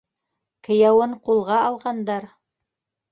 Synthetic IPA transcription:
kɘ̆jæwɤɴqulˠʁɑɑlˠʁɑnd̪ɑɾ

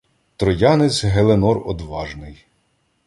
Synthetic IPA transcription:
t̪ɾɔjɑnet͡sʲɦelˠenɔrɔd̪ʋɑʒnɪj

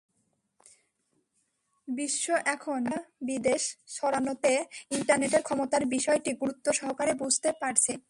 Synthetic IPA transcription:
biʃːoʔɛkʰonabid̪eʃʃɔɾanot̪eiɳʈaɾneʈeɾkʰɔmot̪aɾbiʃɔeʈiɡuɾut̪ːoʃɔɦokaɾebud͡ʑʱt̪epaɾt͡ɕʰe

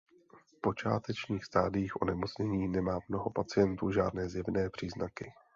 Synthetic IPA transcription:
fpo̞t͡ʃa̰ːt̪ɛt͡ʃɲiːxst̪aːdɪjiːxʔo̞̰nɛmo̞t͡sɲɛɲiːnɛmaːmno̞ɦo̞pat͡sɪjɛnt̪uːʒaːdnɛːzjɛvnɛːpr̥iːznakɪ

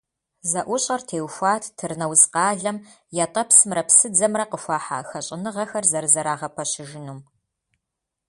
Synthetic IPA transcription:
zɐʔʷʊɕʼɐrtʰeːwxʷaːtʰtʰɨrnɐwzqɑːɮɐm | jatʼɐpsɨmrɐpsɨd͡zɐmrɐqəfʷɑːħa̰ːxɐɕʼɪnɨʁɐxɐrzɐrɨzɐɾaːʁɐpʰɐɕɪʒɪnuːm

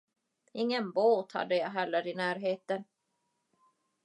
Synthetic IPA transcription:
ɪŋːənboːt̪ha̰d̪ːəjɑːɦɛlːəɾɪnæːɾɦeːt̪ən

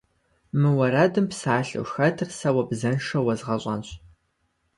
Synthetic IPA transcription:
mɨwɐɾɐdɨmpsaːɬɨ̰wxɐtʰɨrsɐwɐbzɐnʂɐwɐzʁɐɕʼɐ̰nɕ

